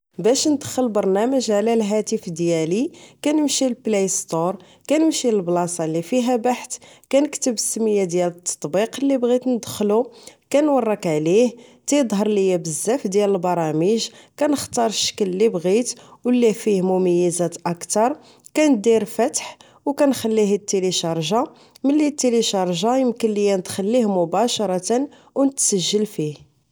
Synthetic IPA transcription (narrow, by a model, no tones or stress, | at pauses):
bæʃnd̪əxːəlbɑɾˤnæməʒʕlælɦæt̪əfd̪jælikænəmʃilplæjst̪oɾˤ | kænəmʃilblɑsˤɑlːifiɦæbaħt̪kænəkt̪əbəsːəməjːad̪jælət̪ˤʰːɑ̥t̪ˤbiqlːibɣit̪nəd̪əxːlukænwɑrˤːɑkʕliht̪ijd̪ˤɦɑɾˤlijæbəzːæfd̪jæləlbɑɾˤɑməʒkænəxt̪ɑɾˤʃːə̥kəllibɣit̪wlːifihmʊməjːəzæt̪ʔɑkt̪ɑɾˤ | kænəd̪iɾfæt̪ħ | wkænxælːiɦət̪ːeliʃɑɾˤʒɑ | məlːit̪ːeliʃɑɾˤʒɑjəmkənlijænət̪xəlːihmʊbæʃɑɾˤɑt̪ən | wnət̪səʒːəlfih